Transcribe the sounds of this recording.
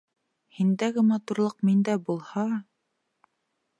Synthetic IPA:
hind̪æɡɘmɑt̪uɾlˠɤqmind̪æbulˠhɑ

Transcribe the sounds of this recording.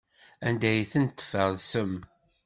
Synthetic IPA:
ænd̪æjθənt̪ːə̥fəðˤsəm

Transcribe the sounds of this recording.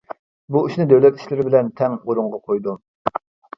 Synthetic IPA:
buyʃnɨd̪ɛwlɛt̪i̥ʃlɪɾɪbɪlɛnt̪ʰɛŋoɾʊɴʁɑqʰojd̪u

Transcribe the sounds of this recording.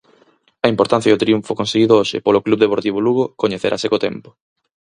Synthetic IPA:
ɐimpoɾt̪an̟θjaɐot̪ɾiuɱfokonseɣiðooʃɪ̰poloklubðepoɾt̪iβ̞oluɣokoɲeθeɾʔa̰sekot̪empo̥

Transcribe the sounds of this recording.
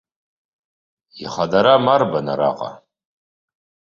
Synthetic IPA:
iχadaɾamarbanaɾa̰qʼa̰

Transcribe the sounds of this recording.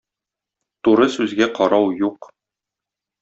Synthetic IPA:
t̪uɾɤsʉzɡæqɒɾɑwjuq

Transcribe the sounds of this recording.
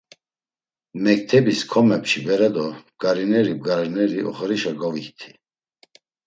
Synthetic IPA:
mɛk̚t̪ʰɛbiskʰɔmɛpt͡ʃibɛɾɛd̪ɔɡ̥aɾinɛɾib̚ɡaɾinɛɾiɔ̰χɾiʃaɡɔviht̪ʰi̥

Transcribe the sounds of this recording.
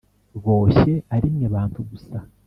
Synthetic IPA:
βo̞ːçe̞aɾimŋeβaːntʰuɡusa

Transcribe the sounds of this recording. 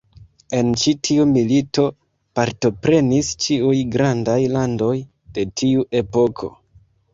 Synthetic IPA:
e̞nt͡ʃitʰiumilito̞ | paɾto̞pɾe̞nist͡ʃiujɡɾandajlando̞j | d̥e̞tʰiuʔe̞po̞kʰo̞̰

